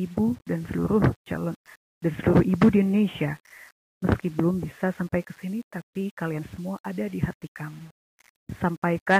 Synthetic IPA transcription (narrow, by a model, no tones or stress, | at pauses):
ibudansəlṵɾʊht͡ʃa̰lɔn | dansəluɾʊhibudiunonesia | məskibəlʊmbisasampajkə̥sinit̪apikaliansəmuaʔadadiɦat̪ikamu | sampajka